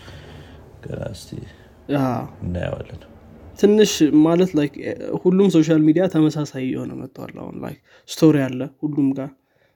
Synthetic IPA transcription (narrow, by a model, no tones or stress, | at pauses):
ɡ̥əɾa̰st̪ʰe | aɨnːajə̰wa̰lːən | t̪ʰɨnːɨʃmalət̪lajkʰhulːumso̞ʃ̬almid̪ijat̪ʰəməsasajjːɛ̰ho̞̰nə̰mət̪ʼːəwa̰lːa̰hṵnla̰jk | st̪ʰo̞ɾijalːəhulːumɡa